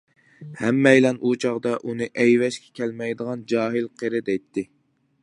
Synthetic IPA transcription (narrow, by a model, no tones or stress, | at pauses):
hɛmːɛjlɛnʔut͡ʃʰɑʁd̪ɑʔunɨʔɛjwɛʃkʲɛ̥kʲʰɛlmɛjd̪əʁɑnd͡ʒɑːɦɪlqʰeɾɨd̪ɛjt̪ʰːɪ